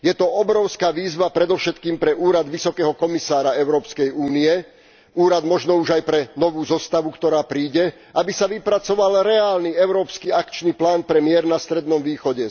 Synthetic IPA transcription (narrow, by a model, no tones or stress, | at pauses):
jɛt̪ɔɔbɾɔʊskaːʋiːzʋapɾɛd̪ɔfʃɛt̪kiːmpɾɛʔuːɾad̪ʋisɔkɛːɦɔkɔmisaːɾaɛʊɾɔːpskɛjuːniɛ | uːɾad̪mɔʒnɔuʒajpɾɛnɔʋuːzɔst̪aʋukt̪ɔɾaːpɾiːɟɛ | ʔabisaʋipɾat͡sɔʋalɾɛaːlniɛʊɾɔːpskiakt͡ʃniplaːnpɾɛmɪɛɾnast̪ɾɛd̪nɔmʋiːxɔɟɛ